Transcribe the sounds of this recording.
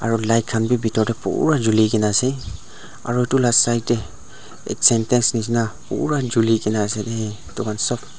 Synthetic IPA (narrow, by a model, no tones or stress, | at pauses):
a̰ɹulajt̚kʰːanbibitɔɹdɛpṵɹad͡ʒulikɛnasɛ | a̰ɹutulasajt̚dɛ | ɛ̰tsɛntɛnsnis̬inapṵɹad͡ʒulikɛnasɛdɛ | tukʰansɔp